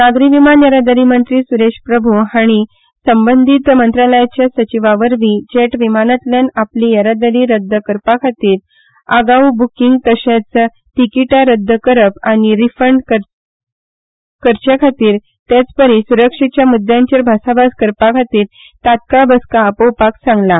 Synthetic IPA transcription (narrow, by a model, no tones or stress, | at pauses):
naɡɾiʋimanjəɾad̪əɾimənt̪ɾiːsuɾeʂpɾəbʱuɦaɽ̃i | səmbənd̪ʱit̪mənt̪ɾaləjat͡ɕjasət͡ɕiʋaʋəɾʋid͡ʑeʈʋimanat̪ljanaplijəɾad̪əɾiɾəd̪ʱːəkəɾpakʰat̪iːɾ | əɡawbukiŋɡ̚t̪əɕat͡sə | ʈ̪ikiʈaɾəd̪ʱːəkəɾəpaɽ̃iɾifəɳɖkə | kəɾt͡ɕjakʰat̪iːɾ | t̪jat͡spəɾisuɾəkʂit͡ɕjamud̪ʱjãɲt͡ɕəɾbʱasabaskəɾpakʰat̪iːɾ | t̪at̪̚kabəskaːpowpaksãŋɡla